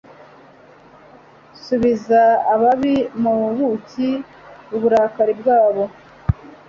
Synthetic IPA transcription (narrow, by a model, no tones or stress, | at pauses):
suβizaːβaβimuβuβuci | uβuɾaːkaɾib̚ɡaːβo